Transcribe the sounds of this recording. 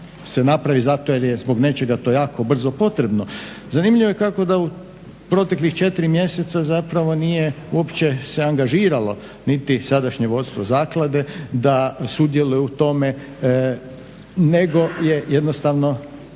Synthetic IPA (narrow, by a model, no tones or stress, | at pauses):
se̞napɾaʋizat̪ojeɾjezbo̞ɡne̞t͡ʃe̞ɡat̪o̞jaːko̞br̩zo̞po̞t̪ɾe̞bno̞ | zanimʎiʋojekako̞d̪au | pɾo̞t̪e̞klixt͡ʃe̞t̪iɾimje̞se̞t̪sazapɾaʋo̞nije | uo̞pt͡ʃe̞se̞aŋɡaʒiːɾalo̞̰ | nit̪isad̪aʃɲe̞ʋo̞t̪st̪ʋo̞zaːklˠad̪e̞d̪asud̪je̞lujuut̪o̞me̞ | ne̞ɡo̞je̞jed̪nost̪aʋno̞